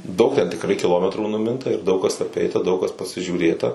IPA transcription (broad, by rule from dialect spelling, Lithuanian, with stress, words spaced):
ˈdɐʊk tʲɛn tʲɪkˈrɐɪ kʲɪˈlˠoːmʲɛtruː nʊˈmʲɪntɐ ɪr ˈdɐʊk kɐs ɐˈpʲɛɪtɐ ˈdɐʊk kɐs pɐsʲɪʒʲuːˈrʲeːtɐ